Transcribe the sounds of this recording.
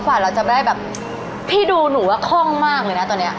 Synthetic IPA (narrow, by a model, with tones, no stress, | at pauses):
kwaː˨˩ɾa˧wt͡ɕa˨˩pa˧˩da˥˩jbɛː˨˩p̚ | pʰiː˥˩duː˧nu˩˦kʰɔ˥˩ŋmaː˥˩k̚lɤː˧˩jna˦˥t̪ɔː˧nːi˦˥ɐ